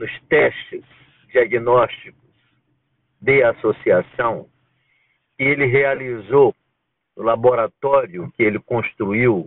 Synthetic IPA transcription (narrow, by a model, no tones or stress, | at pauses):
nʊst̪ɛʃt͡ʃɪs | d͡ʒiaɡinɔst͡ʃikʊ̥s | d̪easosiasɐ̃w̃ | kɪelɪɦealizo | nʊlaboɾat̪ɔɾjʊkɪelɪkõst̪ɾuiw